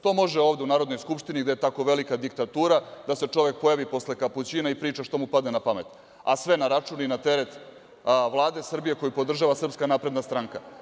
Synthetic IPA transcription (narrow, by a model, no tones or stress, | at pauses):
t̪o̞mo̞ʒeoːʋd̪e̞unaːɾod̪no̞jskupʃt̪iniɡd̪eet̪ako̞ʋe̞likad̪ikt̪at̪uːɾad̪ase̞t͡ʂo̞ʋe̞k̚po̞jaʋipo̞sle̞kaput͡ɕinaipɾiːt͡ʃaʃt̪o̞mupad̪nenapame̞t̪ | a̰sʋe̞naɾat͡ʂuːninat̪e̞ɾe̞t̪ | ʋlˠaːd̪e̞sr̩bije̞ko̞jupo̞d̪r̩ʒaʋasr̩pskanaːpɾe̞d̪nast̪ɾaŋka